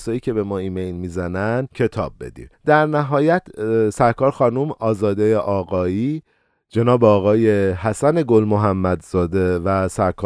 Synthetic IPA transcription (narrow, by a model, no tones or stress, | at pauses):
sɒːjiːcʰe̞be̞mɒːiːmejlmiːzænænd̪cʰe̞t̪ʰɒ̰ːb̚ːe̞d̪ḭmd̪̥æɾnæɦɒːjæt̪ʰsæɾkʰɒːɾxɒːnumɒːzɒːd̪ejeʔɒːɣɒːiː | d͡ʒe̞nɒːbeɒːɣɒːje̞hæsæne̞ɡo̞lmoɦæmːæd̪zɒːd̪evæsæɾkʰː